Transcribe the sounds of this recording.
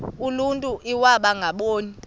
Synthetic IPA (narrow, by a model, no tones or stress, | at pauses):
uluntʼuʔiwaɓaŋɡʱaɓoːni